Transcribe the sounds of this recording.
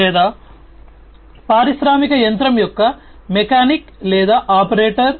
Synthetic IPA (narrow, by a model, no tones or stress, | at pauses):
ɛːd̪aː | paːɾiʃɾaːmikɐjɐnt̪ɾɐmjɔkːɐ | mekaːniklɛːd̪aːʔaːpɐɾeːʈɐɾ